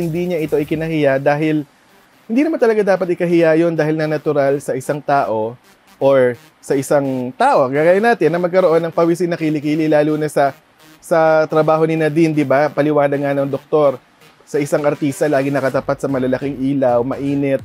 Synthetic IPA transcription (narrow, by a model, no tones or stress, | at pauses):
ɪnd̪iɲaʔɪt̪o̞ʔɪkɪnɐhɪjad̪aːɦɪl | hɪnd̪iːnɐmant̪ɐlɐɡad̪aːpɐt̪ʔɪkɐɦɪjajo̞nd̪aːhɪlnɐnɐt̪ʊɾalsɐʔɪsaŋt̪aːʔo̞ | ʔoɹ | sɐʔɪsaŋt̪aːʔo̞ɡaːɡaːjɐnaːt̪ɪnːɐmɐɡ̚kɐɾo̞ʔo̞nːɐŋpɐwis̬ɪŋnɐkilɪkiːlɪlaːluːnɐsɐ | sɐt̪ɾɐbaːɦo̞nɪnɐd̪ind̪ɪbapɐlɪwaːnɐŋanoŋd̪ok̚t̪o̞ɾ | sɐʔɪsaŋʔɐɾt̪iːst̪ɐlaːɡɪnɐkɐt̪ɐpat̪̚sɐmɐlɐlɐkɪŋʔiːlɐwmɐʔiːnɛt̪̚